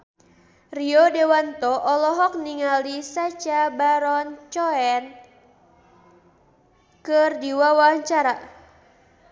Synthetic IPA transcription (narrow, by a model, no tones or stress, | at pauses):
riɔdewant̪ɔʔɔlɔɦɔk̚niŋalisat͡ʃabaɾɔnt͡ʃɔɛn | kɨrdiwawaɲt͡ʃaɾa